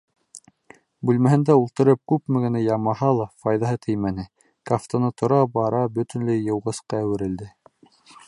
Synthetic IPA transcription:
bʉlmæhɘ̆nd̪æulˠt̪ɤ̆ɾɤp̚kʉpmɘ̆ɡɘ̆næjɑmɑɦɑlˠɑfɑjðɑɦɤt̪ʰɘjmænɘ | kaft̪onɤt̪ʰŏɾɑbɑɾɑbɵ̆t̪ɵ̆nlɘjɤ̆wʁɤ̆sqɑːwɘ̆ɾɘ̆ld̪ɘ

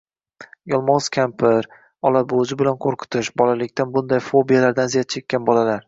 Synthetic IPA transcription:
jɒlˠmɒʁz̥kʲʰampʰɪɾ | ɒlabod͡ʒɪbɪlanqʰoɾqʰʊ̥t̪ʰɪʃbɒlalɪkʲt̪anbʊnd̪ajfobijalaɾd̪anzijat̪̚t͡ʃʰe̞kʲːanbɒlalaɾ

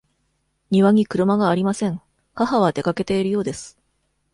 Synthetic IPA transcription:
ɲ̟iβaɲ̟ikɯ̟ɾɯ̟maɡaːɾʲimasẽ̞ŋ | haɦaβ̞ad̪e̞kake̞t̪e̞iɾɯ̟jo̞ːd̪e̞sɨ̥

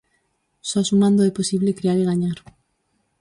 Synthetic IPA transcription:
sɔsumãnd̪oɛposiβlekɾiaɾiɣaɲaɾ

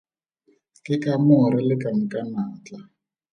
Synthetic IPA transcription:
kʼɪkʼamʊʊɾɪlɪkʼamʊkʼanaːt͡ɬʼa

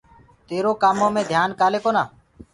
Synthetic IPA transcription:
t̪eːɾoːkaːmõːmẽːd̪ʱjaːnkaːleːkoːnaː

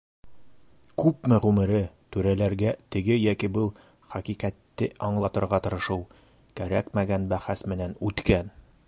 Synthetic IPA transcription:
kʉpmɘʁʉmɘ̆ɾɘt̪ʉɾælæɾɡæt̪ɘ̆ɡɘjækibɤlˠ | χæqiqæt̪ːɘʔɒɴlˠɑt̪ɤ̆ɾʁɑt̪ɤ̆ɾɤ̆ʃɤw | kæɾækmæɡænbæχæsmɘ̆nænʉt̪kæn

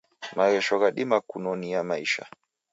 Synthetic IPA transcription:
maɣɛʃɔɣaɗimakunɔnijamaiʃa̰

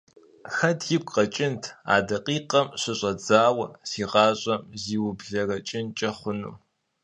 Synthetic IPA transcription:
xɐtʰjɪpʷqɐt͡ʃʼɪntʰa̰ːdɐqʼiːqɐmɕʷɪɕʼɐd͡zaːwɐsiːʁɑːɕʼɐmziːwʊbɮɐrɐt͡ʃʼɪnt͡ʃʼɐχʷʊnṵː

